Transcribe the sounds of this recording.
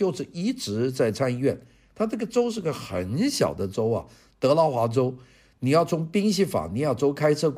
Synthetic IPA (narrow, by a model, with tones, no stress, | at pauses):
jo˥˧ʊʂɻ̩˥˩i˧˥ʈ͡ʂɻ̩˧˥t͡sa˥˩ɪt͡sʰa˥˧ni˧ɥɛ˥˩n | t̪ʰa˥na˥˩ɡə˩ʈ͡ʂo˥ʊʂɻ̩˥˩˧ɡə˧xə̰˨˩nɕjɑ̰˨˩ʊd̪ə˦ʈ͡ʂo˥ʊɐ̰˨ | t̪ɤ˧˥lɑ˥˩ʊxwa˧˥ʈ͡ʂo˥ʊ | ni˨˩jɑ˥˩ʊt͡sʰʊ˧˥ŋpi˥ŋɕi˥˩fa̰˨˩ni˨˩jɑ˥˩ʊʈ͡ʂo˥ʊkʰa˥ɪt͡sʰɤ˥˩k